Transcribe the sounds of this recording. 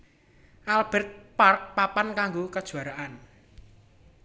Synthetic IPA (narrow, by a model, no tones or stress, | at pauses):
ʔalb̥ɛ̤rt̪̚park̚papankaŋɡokəd̥ʒ̥ṳaɾaʔan